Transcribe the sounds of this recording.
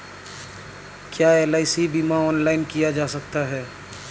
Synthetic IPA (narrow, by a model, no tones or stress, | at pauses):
kjaːeːlaːɪsibimaɔːnlaːɪnkijad͡ʒaːsɐk̚t̪aɦɛː